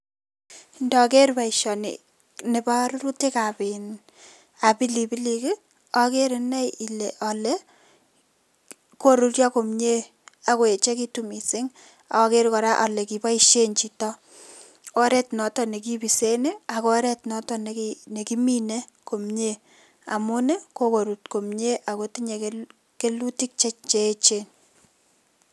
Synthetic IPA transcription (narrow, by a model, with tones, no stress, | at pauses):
ndɔ˨ke˦ɾpa˨iʃɔ˨nɪ̰˨ | ne˨ba˦ɾɾu˦te˦ka˨pi˨n | a˨pi˦li˨pi˦li˨kɪ˦ | ɔ˨ke˦ɾinɛ˦i˨le˨ʔɔ˨lɛ | ko˦ɾu˦rjɔ˦ko˨mɲe˦ | a˨ko˨e˨t͡ʃe˦ki˦tu˦mi˨sɪ˦ŋ | a̰˨kɔ˦ke˦ɾkɔ˨ɾa˦ʔɔ˨lɛ˨ki˨pa˦i˦ʃe˦nt͡ʃi˨tɔ˦ | ɔ˦ɾɛ˦tnɔ˨tɔ˦ne˨k̬i˦bi˨se˦ne˦a˨kɔ˦ɾɛ˦tnɔ˦tɔ˦ne˨kne˨ki˦mi˦ne˦ | ko˨mɲe˦ | a̰˨mʊ˦ne˦ko˦ko˨ɾu˨tko˨mɲe˦ʔa˨ko˨˦ti˦ɲe˨k | ke˦lu˦ti˦k̚t͡ʃe˦t͡ʃt͡ʃe˦t͡ʃe˦n